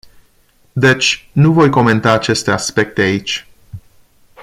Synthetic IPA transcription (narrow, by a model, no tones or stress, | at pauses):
d̪e̞t͡ʃʲnuvo̞jko̞me̞nt̪aːt͡ʃe̞st̪e̞aspe̞k̚t̪e̞ait͡ʃʲ